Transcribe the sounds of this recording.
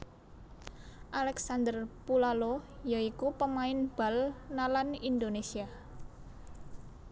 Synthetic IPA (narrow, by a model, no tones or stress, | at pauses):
ʔalɛksand̪ərpulalojaikupəmaɪnb̥a̤lnalanind̪onesia